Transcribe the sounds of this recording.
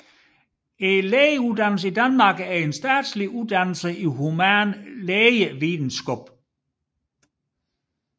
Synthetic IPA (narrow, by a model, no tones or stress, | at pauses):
e̝leːjəuðˠd̥ænl̩s̬əid̥ænmɑ̈ɡ̥æɐe̝nsd̥æːd̥sliʔuðˠd̥ænl̩səʔiɦumænleːjəʋiːdn̩sɡ̥ob̥